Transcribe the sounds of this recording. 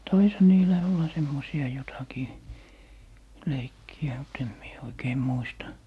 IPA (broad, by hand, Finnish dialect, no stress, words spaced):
tɑishɑ niːlæ olːɑ semːosiɑ jotɑkiː leikːiæ mut em mie oikeː muistɑ